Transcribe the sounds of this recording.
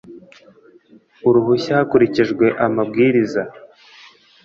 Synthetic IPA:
uɾuɦuçahakuɾiciʒɡwe̞ʔamab̚ɡiːɾiza

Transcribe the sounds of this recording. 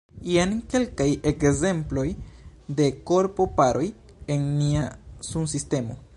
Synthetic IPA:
ienke̞lkajekze̞mplo̞jde̞ko̞ɾpo̞paɾo̞j | enːiasunsiste̞mo̞̰

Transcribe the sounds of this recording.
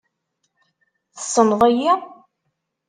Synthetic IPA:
θəsˤːənðˤæji

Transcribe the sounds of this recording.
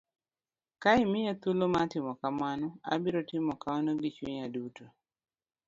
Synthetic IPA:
kaɪmɪjat̪ulomatɪmɔkamanɔa̰bɪɾɔtɪmɔkaɔnoɡɪt͡ʃwiɲaduto

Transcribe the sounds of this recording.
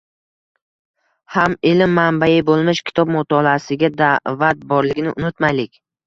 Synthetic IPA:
hamɪlɪmːanbajɪbolˠmɪʃkʲʰɪ̥t̪ʰɒb̚mʊt̪ʰɒlˠaːsɪɡʲad̪avat̪̚bɒɾlɪɡʲɪnɪʔʊnʊt̪majlɪkʲ

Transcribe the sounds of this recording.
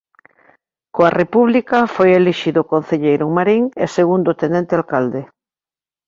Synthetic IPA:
koarepuβ̞likafojeliʃiðokon̟θeʎejɾouŋmaɾiŋeseɣund̪ot̪enent̪ealkald̪e

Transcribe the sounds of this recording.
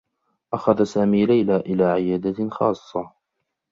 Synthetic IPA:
ʔaxaðasaːmiːlajlaːʔɪlaːʕɪjaːd̪axɑ̰ːsˤːɑ

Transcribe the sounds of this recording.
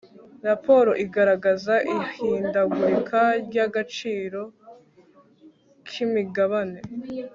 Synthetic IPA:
ɾapo̞ːɾo̞ʔiɡaɾaɡazaʔihiːndaɡuikʰaɾɟaɡat͡ʃiːɾo̞ | kʰimiɡaβane̞

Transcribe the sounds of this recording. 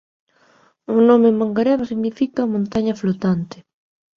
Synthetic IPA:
uŋnomemaŋɡaɾɛβasiɣnifikaumõnt̪aɲɐflot̪ant̪ɪ̥

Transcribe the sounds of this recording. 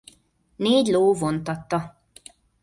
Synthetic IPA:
neːɟloːvont̪ɒt̪ːɒ

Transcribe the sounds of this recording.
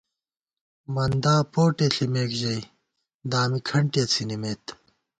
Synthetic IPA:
mɐnd̪aːpoːʈeɬimeːkʑɐi | d̪aːmikʰɐɳʈjet͡sʰinimeːt̪

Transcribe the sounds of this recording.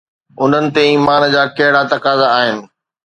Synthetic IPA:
ʊn̤ənɪ̆t̪eiːmaːnd͡ʑaːkɐɦɪɽat̪ɐkaːzaːɦɪnɪ̆

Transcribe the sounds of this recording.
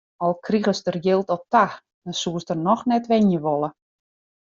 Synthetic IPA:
ɔlˠkʰriɣəstərjɪlˠtɔp̚tax | mɛsuəsdərnɔxnɛtʋɛnjəʋolˠə

